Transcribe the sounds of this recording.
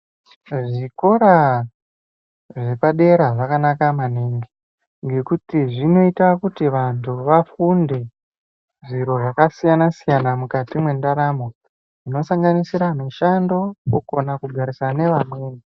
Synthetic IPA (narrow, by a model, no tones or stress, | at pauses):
ʐiko̞ɾa | ʐe̞paɗe̞ɾaʐakanakamaneŋɡi | ŋɡe̞kutiʐino̞itakutiʋantʰuʋafunde̞ | ʐiɾo̞ʐakasijanasijanamukatimwe̞ndaɾamo̞ | ʐ̥ino̞saŋɡanisiɾamiʃando̞ko̰konakuɡʱaɾisane̞ʋamweːni